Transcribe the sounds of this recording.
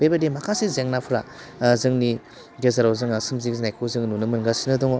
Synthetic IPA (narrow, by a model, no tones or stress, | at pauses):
bebadimakʰasizeŋnapʰuɾazɯŋni | ɡezaɾawzɯŋsɯmzikznajkʰɯzɯŋnunɯmɯnɡasinɯdɔŋɔ